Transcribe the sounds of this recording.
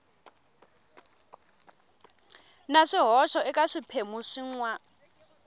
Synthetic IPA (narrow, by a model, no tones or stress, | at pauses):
naʂiɦɔʃɔɛkʼaʂipʰemuʂiŋwa